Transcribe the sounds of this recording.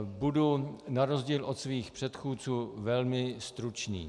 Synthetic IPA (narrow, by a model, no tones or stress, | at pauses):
budunaɾozɟiːlʔot̪sviːxpr̥ɛt̪xuːt͡suːvɛlmɪst̪ɾut͡ʃnḭː